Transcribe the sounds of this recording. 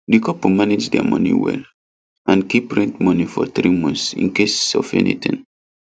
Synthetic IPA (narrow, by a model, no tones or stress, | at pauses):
dikɔpomaned͡ʒdɛamɔ̰̃nḭwɛ̰l | ʔãnkipɹɛ̃ntmɔnifɔθɾimɔ̃nsḭ̃nkessɔfɛ̰nḭt̪ĩn